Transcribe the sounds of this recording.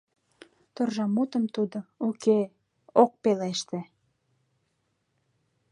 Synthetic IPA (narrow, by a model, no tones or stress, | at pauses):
t̪orʒɑmut̪əmt̪ud̪ouke | ok̚peleʃt̪ĕ